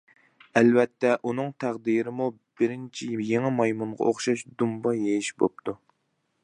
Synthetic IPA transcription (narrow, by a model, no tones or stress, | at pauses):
ɛlvɛt̪ːɛʔunɨŋt̪ʰæʁd̪iɾɪmu | bɪɾɪnt͡ʃʰijjeŋɪmɑjmuɴʁɑ̰ʔoχʃɑʃd̪umbɑjejiʃbo̰p̚t̪ʰu